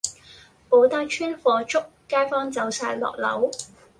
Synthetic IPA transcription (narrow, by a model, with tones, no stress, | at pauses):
po˨˥wt̪aː˥kt͡ʃʰyː˥nfɔː˧t͡ʃʊ˥kːaː˥jfɔː˥ŋt͡sɐ˨˧wsaː˧jlɔ̰ː˨k̚lɐ̰˨˥w